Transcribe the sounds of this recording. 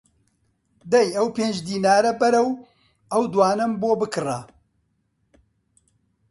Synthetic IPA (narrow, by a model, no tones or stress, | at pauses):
d̪ɐjɐwpeːnd͡ʒd̪iːnaːɾɐbɐɾɐw | ɐwd̪waːnɐmboːbɨkɨrɐ